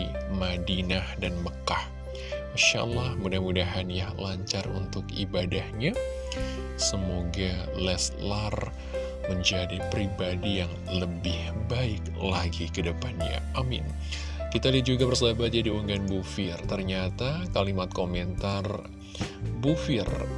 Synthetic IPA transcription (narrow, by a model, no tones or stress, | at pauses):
madinahdanməkah | iʃa̰ʔə̰lːahmudahmudaɦanjahlaɲt͡ʃarṵnt̪ʊkibadahɲa | səmoɡalɛslar | məɲd͡ʒadipɾibadijaŋ | ləbɪhbaɪk̚ | laɡikədəpanɲa̰ʔamɪ̰n | kit̪alid͡ʒuɡabərsəlabat̪̚d͡ʒadiuŋanbufɪrt̪ərɲat̪akalimat̪̚komɛnt̪ar | bufɪr